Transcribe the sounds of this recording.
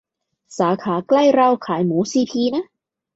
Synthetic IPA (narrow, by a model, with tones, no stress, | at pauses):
saː˩˦kʰaː˩˦kla˥˩jɾa˧wkʰaː˩˦jmuː˩˦˥siː˧pʰiː˧na˦˥